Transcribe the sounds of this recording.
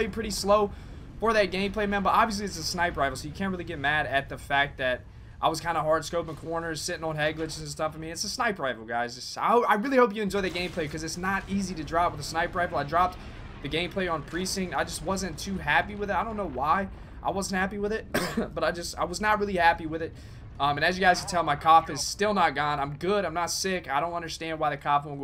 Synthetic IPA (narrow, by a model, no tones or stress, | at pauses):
ɪpʰɹ̥ɪɾisloʊ | fə˞ðɨt̚ɡ̥ẽɪ̃mpl̥eɪmæ̃nbʌɾʔɑbviɨs̬liɨtsɨsnaɪpɹaɪvl̩ˠsoʊjɨkʰæ̃nt̚ɹɪlˠiɡɛt̚mæɾɨt̪̚ðɨfæk̚ðɨɾ | ʔaɪwʌz̥kʰãɪ̃ndəɦɑɹd̥skoʊpɪ̃ŋkʰɔɹnə˞z̥sɪɾɪ̃ŋə̃nɦɛɡlɨt͡ʃzɨ̃nstʌfəmiɨtsɨsnaɪpɹaɪvl̩ˠɡaɪzɨsa̰ɪoʊaɪɹɪlˠihoʊp̬jɨɨ̃nd͡ʒɔɪðɨt̚ɡẽɪ̃mpʰl̥eɪkʰʌzɨtsnəɾiziɾɨdɹɑpwəðəsnaɪpɹaɪvl̩ˠaɪdɹɑp̚t̪̚ | ðɨɡẽɪ̃mpʰl̥eɪə̃npʰɹ̥isɪ̃ŋaɪd͡ʒʌst̚wʌzɨ̃ntʰʉɦæpiwɨðɨtaɪɾõʊ̃nːoʊwaɪ | ʔa̰ɪwʌzn̩t̚hæpiwəðɪt̚b̥ʌɾaɪd͡ʒʌsta̰ɪwʌznət̚ɹɪlˠihæpiwɨðɪt̚ | ʔʌ̃mɨ̃nɨzjɨɡaɪz̥kʰɨ̥tʰɛlˠmaɪkʰɔfɨz̥stɪlˠnət̚ɡ̥ɑ̃nãɪ̃mɡʊɾãɪ̃mnətsɪkaɪɾõʊ̃ntʌ̃ndə˞stæ̃nd̚waɪðɨkʰɔfiw̃